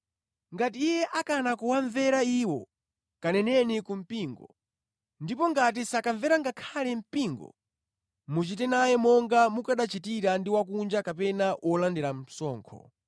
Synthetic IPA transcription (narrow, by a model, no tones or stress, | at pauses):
ŋɡatiːjɛʔakanakuwaɱvɛɾaiwɔ̰ | kanɛnɛnikum̩piːŋɡɔ | ndipɔŋɡat̬isakaɱvɛɾaŋɡakʰalɛm̩piːŋɡɔ̰ | mut͡ʃitɛnajɛmɔŋɡamukaɗat͡ʃitiɾandiwak̬und͡ʒakapɛnaʔwʔɔlandɛɾam̩sɔːŋkʰɔ̰